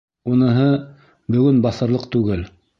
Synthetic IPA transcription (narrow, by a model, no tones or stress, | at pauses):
unɤ̆ɦɤ | bɵ̆ɡɵnbɑθɤ̆ɾlˠɤqt̪ʉɡɘl